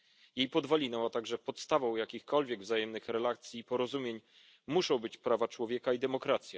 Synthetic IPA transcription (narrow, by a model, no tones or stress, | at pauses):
jejpɔd̪valʲinɛwat̪aɡʐɛpɔt̪st̪avɔ̃w̃jakʲixkɔlvʲjɛɡvzajɛmnɘxɾɛlakt̪sʲjiːpɔɾɔzumʲjeɲ | muʂɔ̃w̃bɘt͡ɕpɾavat͡ʂwɔvʲjɛkaid̪ɛmɔkɾat̪sʲja